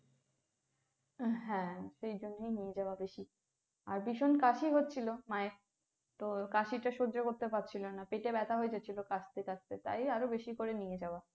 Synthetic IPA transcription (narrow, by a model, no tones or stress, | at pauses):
ɦɛ̃ʃejd͡ʑonːejnijed͡ʑaoabeʃi | aɾbiʃonkaʃiɦotːɕʰilomae | t̪okaʃiʈaʃoɾd͡ʑokoɾt̪epatːt͡ɕʰilonapeʈebɛt̪ʰaɦoed͡ʑatːt͡ɕʰilokat͡ɕʰt̪ekast̪et̪a̰jaɾobeʃikoɾenijed͡ʑaoa